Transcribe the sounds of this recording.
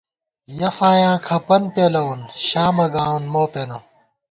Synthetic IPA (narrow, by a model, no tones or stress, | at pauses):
jɐfaːjãːkʰɐpɐnpeːlɐunɕaːmɐɡaːwunmoːpeno